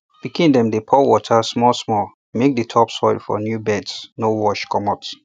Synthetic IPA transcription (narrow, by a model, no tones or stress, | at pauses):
b̥ikĩndɛ̃mdepʰɔwɔtʰasmɔsmɔl | mek̚dətʰɔpsɔɪlfɔ̰njubɛdsnowɔʃkʰɔmɔt